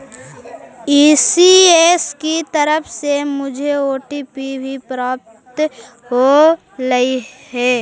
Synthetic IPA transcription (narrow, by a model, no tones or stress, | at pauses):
iːsieːskit̪əɾəpʰsemʊd͡ʒʱeoːʈipibʱipɾaːp̚t̪ | ɦo | ɾɐiɦɛː